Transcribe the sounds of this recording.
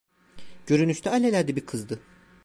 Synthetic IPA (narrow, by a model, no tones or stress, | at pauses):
ɟ̥ø̞ɾynyʃt̪ʰɛalʲelʲæɾd̪ɛbikʰɯzd̪ɯ